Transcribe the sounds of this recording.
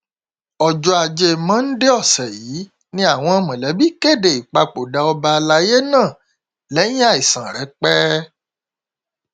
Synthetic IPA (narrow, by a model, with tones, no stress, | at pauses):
ɔ˨d͡ʒɔ˧a˧˨d͡ʒe˧mã˦n̩˦de˦ɔ˦˨sɛ˨jiː˨˦ | nĩ˦a˦˨w̃ɔ̃˧mã˨lɛ˨˦bi˦ke˦˨de˨i˨k͡pa˧k͡po˨da˨˧ɔ˧ba˧la˧˦je˦nãː˦˨ | lɛ˨˦j̃ĩ˦a˦˨i˨sã˨ɾɛ˨˦k͡pɛ˦